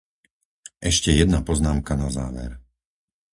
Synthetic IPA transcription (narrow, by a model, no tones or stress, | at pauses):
ʔɛʃcɛjɛd̪napɔznaːmkanazaːʋɛ̰ɾ